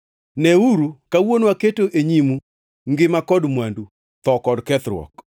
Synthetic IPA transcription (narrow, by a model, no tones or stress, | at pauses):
nɛuɾukawonwaketoʔeɲimu | ŋɡɪmakɔdmwandu | t̪ɔkɔdkɛt̪ɾwɔ̰k